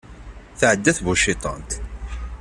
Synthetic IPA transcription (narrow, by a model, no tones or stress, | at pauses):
θʕəd̪ːæθvuʃit̪ˤɑ̰nt̪